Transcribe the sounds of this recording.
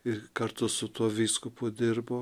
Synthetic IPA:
ɪkɐɾt̪ʊsʊt̪uɔʋʲiːskʊpʊd̪ʲɪrboː

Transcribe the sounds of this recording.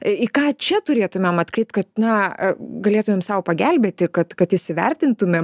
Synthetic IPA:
ɪkɑːt͡ʃʲɛt̪ʊɾʲeːt̪ʊmʲemɐt̪kɾʲɛɪp̚t̪̚kɐt̪̚nɐɡɐlʲeːt̪ʊmʲeːmsɐʊpɐɡʲælʲbʲeːt̪ʲɪkɐt̪kɐt̪ɪʃʲsʲɪʋʲɛrʲt̪ʲɪnt̪ʊmʲeːm

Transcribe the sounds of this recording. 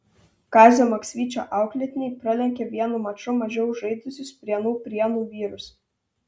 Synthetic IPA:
kɑːzʲoːmɐksʲʋʲiːt͡ʃʲo̰ːʔɑˑʊklʲɛt̪ʲɪnʲɛɪpɾɐlʲɛŋʲkʲeʋʲiɛnuːmɐt͡ʃʊmɐʒʲɛʊʒɐɪd̪ʊsʲʊspʲɾʲiɛnuːpʲɾʲiɛnuːʋʲiːɾʊs

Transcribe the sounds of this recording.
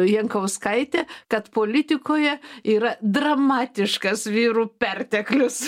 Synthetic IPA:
jɛŋkɐʊskɐɪt̪ʲɛːkɐt̪poːlʲɪt̪ʲɪkoːjɛiːɾɐd̪rɐmɑːt̪ʲɪʃkɐsʋʲiːɾuːpʲɛrʲt̪ʲɛklʲʊs

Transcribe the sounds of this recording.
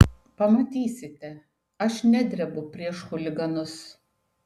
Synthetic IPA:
pɐmɐt̪ʲiːsʲɪt̪ʲɛ | ɐʃnʲæd̪ʲɾʲɛbʊpʲɾʲiɛʃxʊlʲɪɡɐnʊs

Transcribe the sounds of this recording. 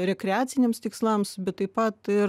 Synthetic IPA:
ɾʲɛkʲɾʲɛaːt̪sʲɪnʲeːmst̪ʲɪkslˠɐmsbʲɛt̪tːɐɪpɐt̪ɪ

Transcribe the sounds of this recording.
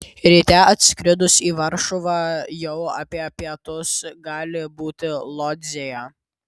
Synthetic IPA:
ɾʲit̪ʲɛɐt̪ʲsʲkɾʲɪd̪ʊsiːʋɐɾʃʊʋɑjɛʊɐpʲiɛpʲiɛt̪ʊsɡɑːlʲɪbuːt̪ʲɪlˠɔd̪ʲzʲejɛ

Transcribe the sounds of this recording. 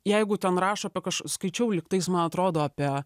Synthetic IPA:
jɛɪɡʊt̪ʲɛnrɑːʃɐɐpʲiɛkɐʃskɐɪt͡ʃʲɛʊlʲɪkt̪ɐɪsmɐnɐt̪ɾoːd̪oːɑpʲiɛ

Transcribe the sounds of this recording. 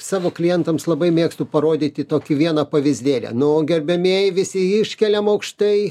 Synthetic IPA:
sɑːʋoːklʲɪjɛnt̪ɐmslˠɐbɐɪmʲeːkst̪upɐɾoːd̪ʲit̪ʲɪt̪oːkʲɪʋʲiɛnɐpɐʋʲɪzʲd̪ʲeːlʲɛ̰nʊoːɡʲɛrʲbʲɛmʲiɛjʋʲɪsʲɪɪʃʲkʲɛlʲɛmɐʊkʃt̪ɐɪ

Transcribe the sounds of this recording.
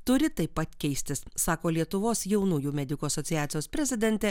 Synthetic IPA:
t̪ʊɾʲɪt̪ɐɪpːɐt̪kʲɛɪsʲt̪ʲɪssɑːkoːlʲiɛt̪ʊʋoːsjɛʊnuːjuːmʲɛd̪ʲɪkuːɐsɔt̪ʲɪjæːt̪sʲɪjoːspʲɾʲɛzʲɪd̪ʲɛnʲt̪ʲɛ

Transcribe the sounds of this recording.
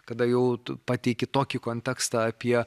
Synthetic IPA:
kɐd̪ɐjɛʊpɑːt̪ʲɛɪkʲɪt̪oːkʲɪkoːnʲt̪ʲɛkst̪ɐɐpʲiɛ

